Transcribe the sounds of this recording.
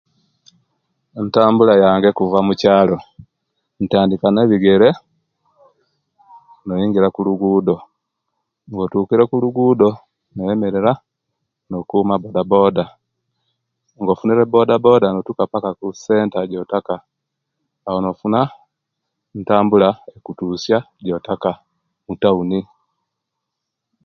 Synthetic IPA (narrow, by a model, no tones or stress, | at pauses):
ntaːmbulajaːŋɡe̞kuvamucaːlo̞ | n̩taːndikane̞βiɡe̞ɾe̞ | nojiːŋɡiɾakuluɡuːdo̞ | ŋɡotuːkiɾekuluɡuːdo̞ | noje̞me̞ɾeɾa | nokumabodabo̞ːda | ŋɡofuniɾebo̞dabo̞danotukapakakuse̞ːntaɟotakaː | wonofuna | ntaːmbulaekutusja | ɟotaka | mutauni